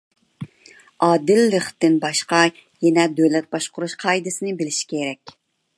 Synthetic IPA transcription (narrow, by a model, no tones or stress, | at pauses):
ɑːd̪ɪlːəχt̪ɪnbɑʃqɑ | jɛnɛd̪ølɛt̪̚bɑʃqʊɾuʃqʰɑjd̪ɪsɪnɪbɪlɪʃi̥kʲʰeɾɛkʲ